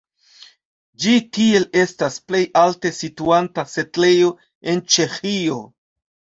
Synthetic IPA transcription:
d͡ʒitie̞le̞stasple̞jalte̞situantase̞tle̞jo̞ | e̞nt͡ʃe̞xio̞

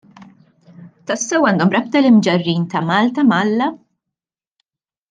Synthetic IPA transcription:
t̪ɐsːɛwːɐnd̪ɔmɾɐp̚t̪ɐlɪmd͡ʒɐrːiːnt̪ɐmɐːlt̪ɐmɐlːɐ

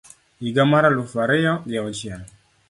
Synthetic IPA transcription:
iɡamaɾalufaɾɪjɔjaɔt͡ʃa

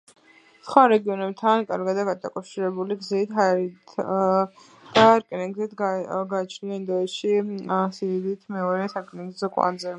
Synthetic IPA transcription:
sχwaɾɛɡiɔnɛb̚t̪ʰankʼa̰ɾɡad̪aɡad̪akʼawʃiɾɛbuliɡzit̪ʰaɛɾit̪ʰ | d̪̥aɾkʼniŋɡzit̪ɡaːt͡ʃʰniaind̪ɔɛtʃisiɾid̪it̪ʰmɛɔɾɛsaɾkʼniŋɡzzɔkʼwa̰nzɛ

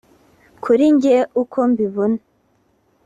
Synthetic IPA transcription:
kʰuɾiɲɟeukʰombiβuna

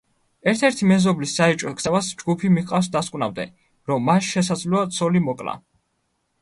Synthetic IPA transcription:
ɛɾt̪ʰɛɾt̪ʰimɛzɔblisːaɛt͡ʃʼɔkʼsʰɛvasd͡ʒɡupʰimiqʼafsd̪askʼwnamd̪ɛ̰ | ɾɔmːasʃɛsad̪zlɔat̪sʰɔlimɔkʼla̰

